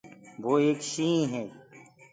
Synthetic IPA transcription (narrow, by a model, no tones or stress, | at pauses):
ʋoːeːkʃĩːɦɛː